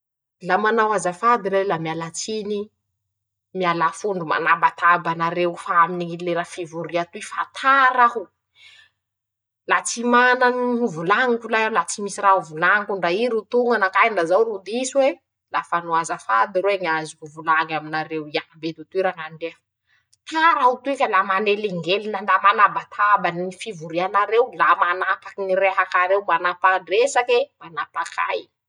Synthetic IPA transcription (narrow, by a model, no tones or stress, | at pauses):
lamanawazafad̪iɾelamialat͡sini | mialafuɳɖ͡ʐuma̰nabat̪ʰabanaɾewfaaminiileɾafivuɾiat̪uifat̪ʰaɾaɦu | lat͡simananiuvulaŋikulajalat͡simisirauvulaŋkuɳɖ͡ʐaiɾut̪uŋɡanakajɳɖ͡ʐazawɾud̪iswe | lafanuazəfa̰d̪iɾweɲazikuvulaŋaminaɾewiabet̪ut̪iɾaŋanɖ͡ʐe | t̪aɾaut̪uekʲəlamaneliŋɡeliland̪amanabat̪ʰabanifivuɾianaɾewlamanapḁkiniɾeɦakaɾewmanapaɳɖ͡ʐesakemanapakʰa̰j